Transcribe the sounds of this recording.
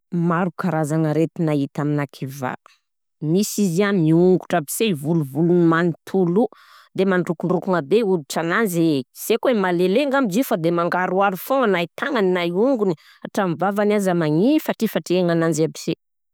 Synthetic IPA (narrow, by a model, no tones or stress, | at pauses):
maɾukaɾazanəɾet̪inait̪aminakʰiva̰ | misiziamiuŋɡuʈ͡ʂabisevuluvulunimanit̪ʰulu | d̪emaɳɖ͡ʐukuɳɖ͡ʐukuŋabeuɾiʈ͡ʂananziz̥ekwemaleleŋɡamid͡ʒifad̪emaŋɡaɾuaɾufoŋanajit̪aŋaninajuŋɡuni | aʈ͡ʂamivavanazamaŋifaʈ͡ʂifaʈ͡ʂeaŋanand͡ʒabi̥se